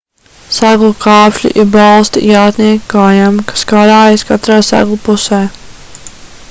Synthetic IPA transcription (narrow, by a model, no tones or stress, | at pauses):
saɡlˠukʰɑːpʃʎʲḭʔiɾbalˠst̪ḭjaːt̪niɛkkaːjamkḁskaɾaːjskat̪ɾaːsa̰ɡlˠupusɛː